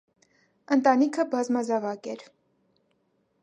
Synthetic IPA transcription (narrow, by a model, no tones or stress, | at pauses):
ənt̪ɑnikʰəbɑzmɑzɑvɑkɛɾ